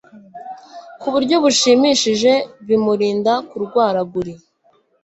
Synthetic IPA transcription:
kuβuɾɟo̞βuʃiːmiʃiʒe̞βimuɾiːndakuɾɡwaːɾaɡuɾi

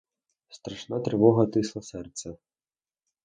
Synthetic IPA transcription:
st̪ɾaʂnat̪ɾɨvɔɣɐt̪ɨslˠɐsɛrt̪sɛ

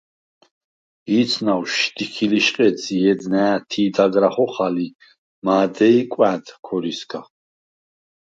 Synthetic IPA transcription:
iːt̪sʰnawʃd̪ikʰiliʃqʼɛt͡sʰijɛd̪nɛat̪ʰiːd̪aɡɾaχɔχali | maːd̪ɛikʷʼwæd̪kʰɔɾiskʰa

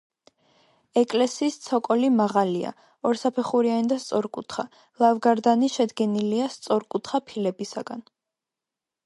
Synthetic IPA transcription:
ɛkʼlɛsiːst̪sʰɔkʼɔlimaʁalia̰ | ɔɾsapʰɛχuɾianid̪ast̪sʼɔɾkʼut̪ʰχa | lˠavɡaɾd̪aniʃɛd̪ɡɛniliast̪sʼɔɾkʼut̪ʰχapʰilɛbisaɡ̥an

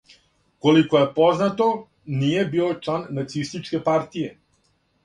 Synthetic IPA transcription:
kolikojepoznat̪o̞ | nije̞biːot͡ʂlˠanːat̪sist̪it͡ʃke̞paɾt̪ije̞

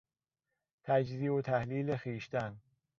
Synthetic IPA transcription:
t̪ʰæd͡ʒziːot̪ʰæhliːlexiːʃt̪æn

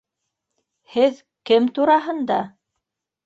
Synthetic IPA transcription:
hɘð | kɘmt̪uɾɑɦɤ̆nd̪ɑ

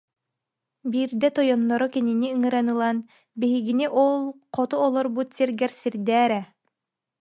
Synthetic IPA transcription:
biːɾd̪ɛt̪ɔjɔnːɔɾɔkininiɯŋɯɾanɯlˠan | biɦiɡiniʔɔlˠqɔt̪uɔlˠɔɾbut̪siɾɡɛɾsiɾd̪ɛːɾɛ

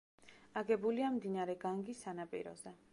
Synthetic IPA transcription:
aɡɛbuliamd̪inaɾɛɡaŋɡisanapʼḭɾɔ̰zɛ

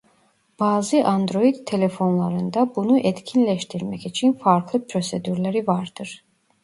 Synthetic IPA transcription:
b̥aːzɯʔand̪ɾo̞jid̪t̪ʰːelefo̞nlˠaɾɯnd̪abunuʔɛt̪cʰinlɛʃt̪ʰiɾmɛcit͡ʃʰinfaɾklˠɯpʰɾo̞sed̪yɾlʲæɾivaɾd̪ɯɾ̥

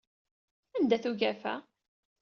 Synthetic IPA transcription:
ænd̪æθuʝæfæ̰

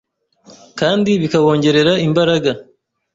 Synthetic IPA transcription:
kaːndiβikaβo̞ːɲɟe̞ɾe̞ɾaimbaɾaɡa

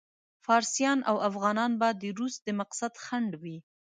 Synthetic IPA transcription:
fɑɾsijɑnʔawafɣɑnɑnbad̪əɾus̚d̪əmaqsad̪xaɳɖwi

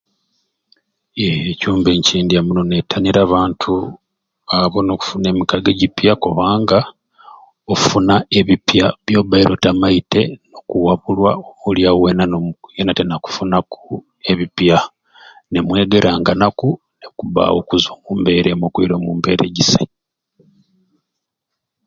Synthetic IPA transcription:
ecuːmbeɲciːndiamuno̞netʰːaniɾaːβaːntʰu | aβo̞noku̥funemikaɡeɟipjakoβaːŋɡa | ou̥funae̞βipjaβjo̞ːbaiɾʔo̞tamaite̞no̞kuwaβulwaomuljawenanojenatenaku̥funaku | e̞βipja | ne̞mwe̞ːɡe̞ɾʔaːŋɡanaku | nekuβa̰wo̞kuzomumbe̞ːɾemokwiɾo̞mumbe̞̰ɾḛɟise

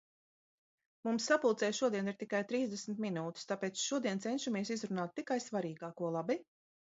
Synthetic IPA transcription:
mumsːapulˠt̪sɛːjʃuɔd̪iɛniɾt̪ikajt̪ɾiːzd̪ɛsmt̪minuːt̪i̥st̪apɛːt̪sʃuɔd̪iɛnt̪sɛnʃamiɛsizɾunaːt̪ːikajsvaɾiːɡaːkuɔlˠabi

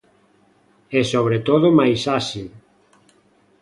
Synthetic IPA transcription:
ɛsoβɾet̪oðʊmajsasil

